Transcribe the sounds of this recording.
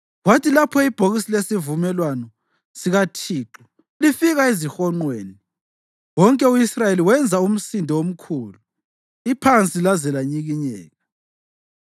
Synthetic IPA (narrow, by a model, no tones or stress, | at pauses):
watʰilapʰɔib̥ʱoɣisilesivumɛlwanɔ | siɣatʰiːǁɔ | lifiɣaezixɔŋ͡ǃweːni | wɔŋkʼɛuisrajeliwɛnd͡zʱaum̩sindʱɛwom̩kʰuːlu | ipʰant͡sʼilazɛlaɲiɣiɲɛːɣa